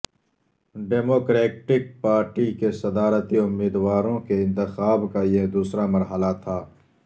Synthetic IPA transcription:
ɖeːmoːkɾeːʈɪk̚paːɾʈikesɐd̪aːɾət̪iʊmːiːd̪waːɾõkeɪ̃nt̪ɪxaːbkajed̪uːsɾamɐɾɦəlat̪ʰaː

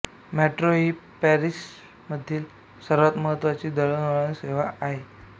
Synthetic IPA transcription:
mæʈɾoɦiːpæɾis | məd̪ʱːiːl | səɾʋat̪məɦət̪ːʋat͡ɕiːd̪əɭənəɭənseʋaaɦe

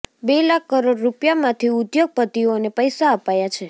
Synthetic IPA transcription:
belakːəɾoɖɾupjamãt̪ʰiud̪joɡ̚pət̪ionepəjsaəpajat͡ʃʰe

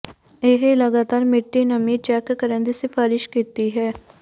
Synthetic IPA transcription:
ɪɦləɡaːt̪aːɾmɪʈːiːnəmiːt͡ʃɛːkːəɾẽːnd̪isɪfaːɾɪʃkiːt̪iːɦɛː

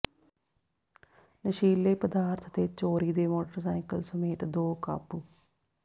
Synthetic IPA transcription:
nəʃiːlːeːpəd̪aːɾt̪ʰd̪eːt͡ʃoːɾiːd̪eːmoːʈəɾsaːɪkə̰lsəmeːt̪d̪oːka̰ːpuː

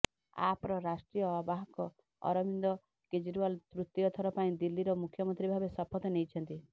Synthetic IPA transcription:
a̰pɔɾɔɾasʈɾijɔːbaɦɔkɔ | ɔ̰ɾɔmind̪ɔ | ked͡ʒiɾualt̪ɾut̪ːiɔt̪ʰɔɾɔpaĩd̪ilːiɾɔmukʰːjɔmɔnt̪ɾibʱabesɔpʰɔt̪ɔnejt͡ʃʰɔnt̪i

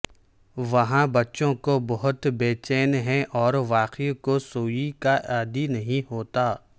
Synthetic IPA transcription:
ʋɐɦãbɐtːʃõkobɐɦʊt̪beːt͡ʃɛːnɦɛ̃ʔɔːɾʋaːqikosoːikaʔɛːd̪inɐɦĩɦoːt̪aː

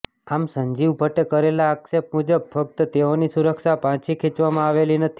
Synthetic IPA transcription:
amsəɲd͡ʒiʋbʱəʈekəɾelaːksep̚mud͡ʒəb̚fək̚t̪ət̪eonisuɾəkʃapãt͡ʃʰikʰit͡ʃʋamãaʋelinət̪ʰi̥

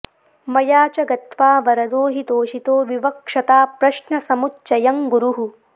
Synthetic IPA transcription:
mɐjaːt͡ʃɐɡɐt̪ʋaːʋɐɾɐd̪oːɦit̪oːʃit̪oːʋiʋɐkʂɐt̪aːpɾɐʃɳɐsɐmutːʃɐjɐŋɡuɾuɦu

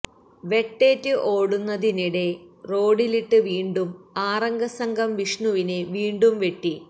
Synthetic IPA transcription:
ʋe̞ʈːe̞ːtːɨʔo̞ːɽunːɐðiniɽe̞ro̞ːɽiliʈːɨʋiːɳɖumaːrɐŋɡɐsɐŋɡʱɐmʋiʂɳuʋine̞ʋiːɳɖumʋe̞ʈːi

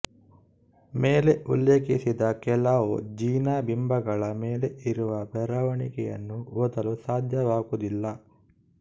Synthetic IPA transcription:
meːleʔṵlːeːkisid̪ɐkɛlaʋod͡ʒiːnaːbimbɐɡɐɭɐmeːleʔiɾuʋɐbɛɾɐʋɐɳḭkɛjɐ̰nːuʋɔd̪ɐlusaːd̪ʱjɐʋaːɡud̪ilːɐ

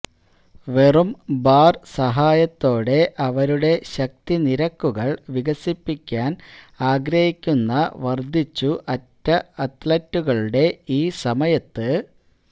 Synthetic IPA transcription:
ʋe̞rumbaːrsɐɦaːjɐt̪ːo̞ːɽe̞ʔɐʋɐɾuɽe̞ɕɐk̚t̪iniɾɐkːuɣɐɭʋiɣɐsipːikʲːaːn | aːɡɾɐhikʲːunːɐʋɐrd̪ʱit͡ɕːuʔɐtːɐɐt̪lɐtːuɣɐɭuɽe̞iːsɐmɐjɐt̪ːɨ

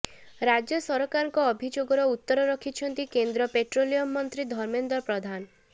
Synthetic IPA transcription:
ɾad͡ʒjɔsɔɾɔkaɾɔŋkɔːbʱid͡ʒoɡɔɾɔut̪ːɔɾɔɾɔkʰit͡ʃʰɔnt̪ikend̪ɾɔpeʈɾolijɔmːɔnt̪ɾid̪ʱɔɾmend̪ɔpɾɔd̪ʱan

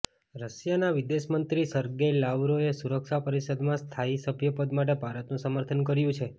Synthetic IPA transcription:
ɾəʃjanaʋɪd̪eʃmənt̪ɾisəɾɡelaʋɾoesuɾəkʃapəɾisəd̪mãst̪ʰaisəbʱjəpəd̪maʈ̬ebʱaɾət̪nũsəməɾt̪ʰənkəɾjũt͡ʃʰe

